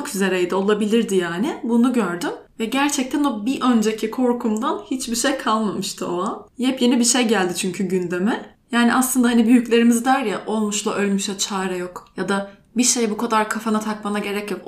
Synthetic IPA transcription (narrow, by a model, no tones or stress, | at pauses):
kʰyze̞ɾɛjd̪ɪo̞lˠabilʲiɾd̪ijaːnɪbunuɟø̞ɾd̪ym | vɛɟæɾt͡ʃʰɛc̚t̪ʰæno̞biʔø̞nd͡ʒecʰikʰo̞ɾkʰumd̪anhit͡ʃbiʃejkʰalˠmamɯʃt̪ʰɯoanhɛpje̞nibiʃejɟælʲd̪ɪt͡ʃʰyɲcʰyɟynd̪e̞mɛ | jaːniʔaslˠɯnd̪ahanibyjyclʲe̞ɾimizd̪æɾjaʔo̞lˠmuʃlˠaʔø̞lʲmyʃlɛt͡ʃʰaːɾɛjo̞kjad̪a | biʃejbukʰad̪aɾkʰafanat̪ʰakmanaɟe̞ɾɛcjok